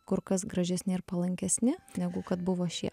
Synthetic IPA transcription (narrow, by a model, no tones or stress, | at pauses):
kʊɾkɐsɡɾɐʒʲɛsʲnʲɪɪɾpɐlˠɐŋʲkʲɛsʲnʲɪnʲɛɡʊkɐt̪bʊʋoːʃʲiɛ